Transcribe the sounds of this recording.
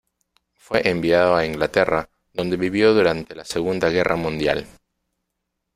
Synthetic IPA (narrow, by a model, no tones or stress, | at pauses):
fweʔembiaðoaiŋɡlat̪era | ðo̞nd̪eβiβjoðuɾant̪elaseɣund̪aɣerʔamũnd̪ja̰l